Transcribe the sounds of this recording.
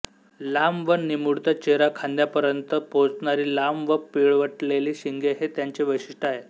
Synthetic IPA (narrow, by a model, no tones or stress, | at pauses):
lamʋənimuɽt̪at͡ɕeɾakʰãnd̪japəɾjənt̪əpot͡snaɾiːlamʋəpiɭʋəʈleliːɕiŋɡʱeɦet̪jaɲt͡ɕeʋəjɕiʂʈəaɦe